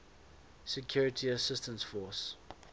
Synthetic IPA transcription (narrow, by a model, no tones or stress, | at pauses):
sɛkʰjuːɹətʰiəsɪstə̃nsfɔs